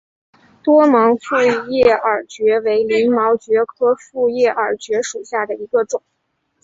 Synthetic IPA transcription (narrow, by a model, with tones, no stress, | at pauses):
t̪wɔ˥mɑ˧˥ŋfu˥˧jɛ˥˩ə˞˨˩t͡ɕɥɛ˧˥we˧˥ɪli˧˥nmɑ˧˥ʊt͡ɕɥɛ˧˥kʰɤ˥fu˥˧jɛ˥˩ʔə˞˨˩t͡ɕɥɛ˧˥ʂu˨˩ɕja˥˩d̪ə˩i˧˥ɡə˧ʈ͡ʂʊ˨˩˦ŋ